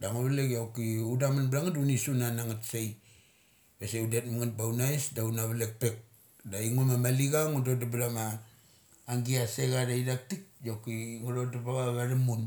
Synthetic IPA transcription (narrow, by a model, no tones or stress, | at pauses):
daŋoβlekjawkiudamanblaŋatunisunanaŋatsej | beseudet̚maŋat̚bawnaesdaunaβalek̚pe̞k̚ | daiŋumamaliɡaŋudodabɾamaː | ŋɡiaseɡadaidak̚tik̚jawkiŋuɾodaβaɡaɡaɾimun